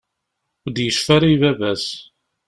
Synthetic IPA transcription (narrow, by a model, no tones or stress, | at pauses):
ʊd̪jəʃfæɾivævæs